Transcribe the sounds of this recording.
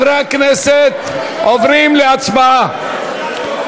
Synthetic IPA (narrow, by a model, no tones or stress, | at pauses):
ɾeakneset̪ | ovɾimleat͡sbaa